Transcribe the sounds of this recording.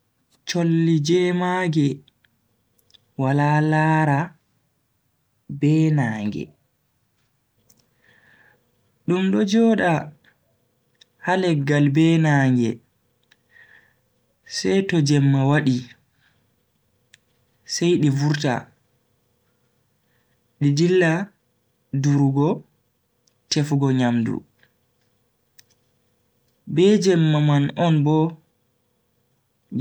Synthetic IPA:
t͡ʃolːid͡ʒɛmaːɡɛ | walalaːɾa | bɛːnaːŋɡɛ̰ | ɗumɗɔd͡ʒɔːɗa | halɛɡːalbɛːnaːŋɡɛ̰ | sɛjtɔd͡ʒɛmːawaɗi | sɛjɗivuɾta̰ | ɗidilːa | duɾuɡɔ | tefɡɔɲamdṵ | bɛd͡ʒɛmːamanɔnbɔ

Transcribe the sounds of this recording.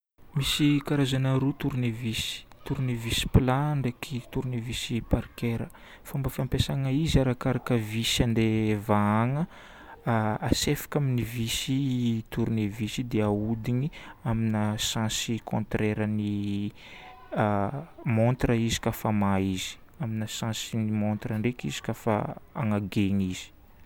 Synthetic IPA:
misikaɾazanaɾut̪uɾunevisi̥t̪uɾunevisi̥plaɳɖ͡ʐakʰit̪uɾnivisipaɾkeɾə | fambəfiampesaŋəizaɾakaɾakəvisiand̪evaaŋə | asefḁkʲaminivisit̪uɾunivisid̪eaud̪iniaminasãsikʰõnt̪reɾəni | mont̪rəizi̥kafamaizi̥ | aminasãsinimõnt̪rəɳɖ͡ʐekizi̥kafa̰aŋaɡeŋiz̥i̥

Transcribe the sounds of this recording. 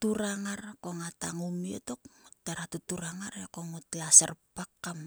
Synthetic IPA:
tuɾaŋaɾkoŋataŋumieto̞kŋutdaɾatutuɾaŋaɾekoŋutlasḛrpakːam

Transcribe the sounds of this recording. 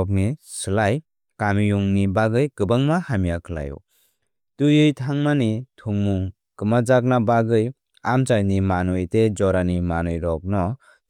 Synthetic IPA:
ɔk̚nisɯlaj | kamijuŋnibaɡɯjkɯbaŋmahamijakʰɯla̰jṵ | tujɯjtʰaŋmanitʰuŋmuŋ | kɯmad͡ʒak̚nabaɡɯj | amt͡ʃajnimanɯjted͡ʒɔɾanimanɯjɾɔk̚nɔ

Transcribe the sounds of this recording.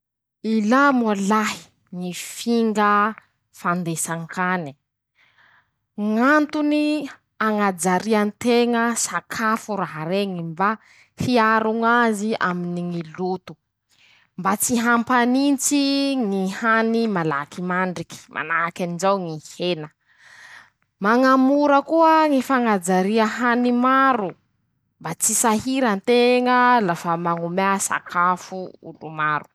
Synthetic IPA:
ilamalaɦi̥ | ŋifiŋɡə | fand̪esaŋkani̥ | ŋant̪uni | aŋad͡zaɾiant̪eŋəsakʰafuɾaɦaɾeŋimba | hiaɾuŋazia̰miniŋilut̪u̥ | mbat͡siɦampanint͡siŋihanimalakimaɳɖ͡ʐiki̥mʔa̰naakʲanizawŋihenə | maŋamuɾəkuəŋifaŋad͡zaɾiəɦanimaɾu | mbat͡sisaɦiɾant̪eŋəlafamaŋumeasa̰kʰafuṵlumaɾu̥

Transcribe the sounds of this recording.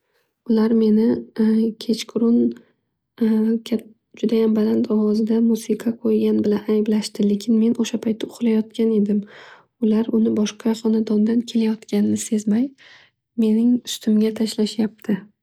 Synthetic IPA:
ʊlaɾme̞nɪkʲʰe̞t͡ʃkʰʊɾʊn | kʲʰa | d͡ʒʊd̪ajambalant̪ʰɒwɒzɪd̪amusɪqʰɑqʰojɡʲanbɪlanajblaʃt̪ɪle̞kʲʰɪnme̞noʃapʰajt̪ʰːɪʊqlajɒt̪kʲane̞d̪ɪm | ʊlaɾʊnɪbɒʃqʰɑχɒnad̪ɒnd̪ankʲʰe̞lajɒt̪kʲanɪnɪse̞zmaj | me̞nɪŋʊst̪ʰɪmɡʲat̪ʰaʃlaʃjap̚t̪ʰɪ

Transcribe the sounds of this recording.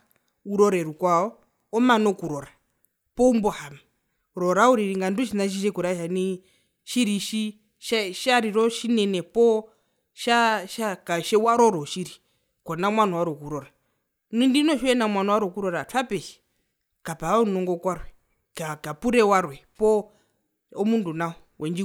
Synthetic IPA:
uɾɔɾɛɾukwaɔ | ɔmanɔkuɾɔɾa | pɔumbɔhama | ɾɔɾauɾiɾiŋɡanduʃinaʃ̬iʃ̬ɛkuɾaʃani | ʃiɾiʃi | ʃaʃaɾiɾɔʃinɛnɛpɔ | ʃaʃakaʃɛwaɾɔɾɔʃiɾi | kɔnamwanɔwaɾɔkuɾɔɾa | nindinɔʃɔɛnamwanɔwaɾɔkuɾɔɾatʰapɛʃi̥ | kapaaunɔŋɡɔkwaɾwɛ | kakapuɾɛwaɾwɛpɔ | ɔmundunaɔ | wʔɛnd͡ʒi

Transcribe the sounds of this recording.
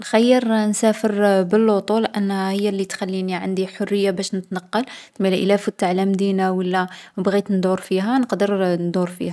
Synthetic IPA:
nxæjːəɾnsæfəɾbəlːot̪ˤulʔænːhæhəjːælːit̪xælːiniʕand̪iħorːəjːabæʃnət̪nɑqːɑlt̪milʔəlæfʊt̪ːaʕlæmd̪inawəlːæbɣit̪nd̪uɾfiɦænəqd̪əɾnd̪uɾfḭhæ

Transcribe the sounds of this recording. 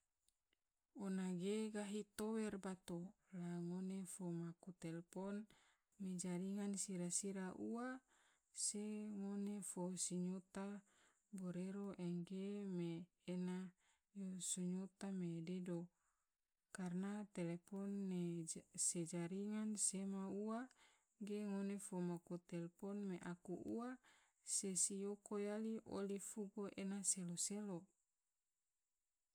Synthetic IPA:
onaɡeɡaɦit̪owɛrbat̪o | laŋonefomakut̪elepɔn | med͡ʒaɾiŋansiɾasiɾaʔua | seŋonefosiɲut̪a | boɾeɾoʔɛŋɡemeː | na | josuɲut̪amededo | karnat̪elepɔnːesed͡ʒaɾiŋansemaua | ɡeŋonefomakut̪elepɔnmeʔakuʔua | sesijokojaliʔo̰lifuɡoʔenaseloselo

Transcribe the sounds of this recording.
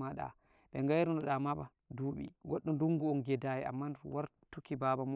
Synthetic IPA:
aɗa̰ | ɓɛŋɡajɾunɔɗamaba̰ | duɓḭɡɔɗːumduŋɡuɔnɡɛdajɛa̰mːawaɾ | tukibabam

